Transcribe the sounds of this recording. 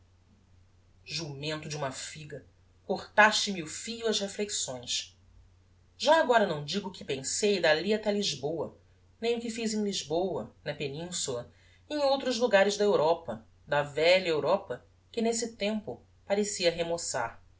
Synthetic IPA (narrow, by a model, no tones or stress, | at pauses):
ʒumẽnt̪ʊd͡ʒɪũmɐfiɡɐ | koχt̪aʃt͡ʃɪmɪʊfiʎuɐzhefleksõj̃s | ʒaːɡɔɾɐnɐ̃w̃d͡ʒiɡʊːkɪ̥pẽŋsejd̪aliat̪ɛliʒbowɐ | nẽj̃ʊkɪfizẽj̃liʒbowɐnɐpenĩsulɐ | ẽj̃owt̪ɾʊzluɡaɾɪzd̪ɐewɾɔpɐ | d̪ɐvɛʎɐewɾɔpɐ | kɪnes̬ɪt̪ẽmpʊ | paɾesiɐɦemosa̰ɾ